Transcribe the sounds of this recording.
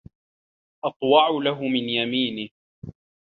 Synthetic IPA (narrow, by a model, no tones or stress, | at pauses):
ʔɑt̪ˤwɑʕʊlaɦʊmɪnjamiːnɪ